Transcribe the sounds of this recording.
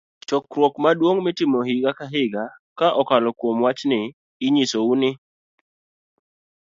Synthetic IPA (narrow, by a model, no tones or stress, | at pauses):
t͡ʃɔkɾwokmadwoŋmɪtɪmɔɦiɡakaɦɪɡakaʔɔkalɔkwomwat͡ʃnɪ | ɪɲisounɪ